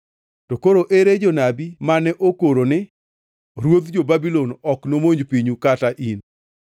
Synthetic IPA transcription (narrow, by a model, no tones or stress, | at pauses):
tokoɾoʔeɾed͡ʒonabimanɛʔokoɾonɪ | ɾwod̪d͡ʒobabilɔnɔknomoɲd͡ʒpiɲukataʔin